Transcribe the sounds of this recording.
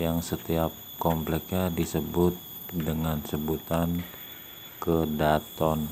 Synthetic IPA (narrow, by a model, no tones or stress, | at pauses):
jaŋsət̪iap̚kɔmplɛkɲadisəbʊt̪̚ | dəŋansəbut̪an | kədat̪ɔn